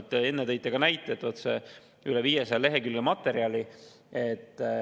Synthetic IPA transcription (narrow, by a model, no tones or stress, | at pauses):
t̪ːˑee̞nːet̪ejt̪ːˑeɡ̥ɑnæjt̪ːˑet̪ot̪sḛ | ylevijesɑjɑle̞ɦe̞kylɡemɑt̪ːˑe̞ɾiɑli | et̪ːˑ